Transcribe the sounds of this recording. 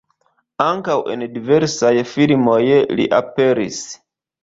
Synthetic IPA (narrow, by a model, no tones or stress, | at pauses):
aŋkawʔe̞̰ndive̞ɾsajfilmo̞jlḭʔape̞ɾḭs